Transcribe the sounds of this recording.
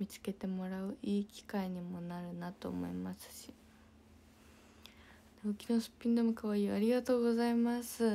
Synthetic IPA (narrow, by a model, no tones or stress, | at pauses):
mʲit͡sɨ̥ke̞t̪e̞mo̞ɾaɯ̟ʔiːkʲi̥kaiɲ̟imo̞naɾɯ̟nat̪o̞̰ːmo̞̰imasɨ̥ɕi | naokʲino̞sɨ̥pʲĩnd̪o̞mɯ̟kaβaiːaɾʲiɡat̪o̞ːɡo̞zaimasɨ